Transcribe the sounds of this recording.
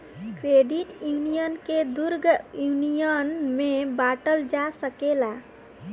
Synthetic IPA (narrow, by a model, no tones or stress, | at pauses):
kɾeɖiʈjunijənked̪uɾɡjunijənmebaʈəld͡ʒasəkela